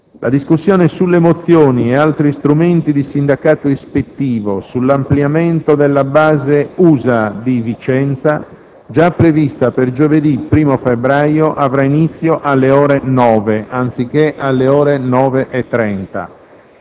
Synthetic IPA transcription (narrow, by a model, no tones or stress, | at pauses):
lʔa̰d̪iskusːjɔːnesulːemot̪sːjoːniɛalt̪ɾist̪ɾument̪id̪isind̪akaːt̪oespet̪ːiːvosulːampljameɛnt̪od̪elːabaːzeuːzad̪ivit͡ʃɛnt̪sa | d͡ʒapːɾevist̪aperd͡ʒoved̪ipːɾiːmofebɾajoʔavɾainit̪sːjoʔalːeɔːɾenɔːveʔant̪sikːeʔalːeɔːɾenɔːveʔɛt̪ːɾɛnt̪a̰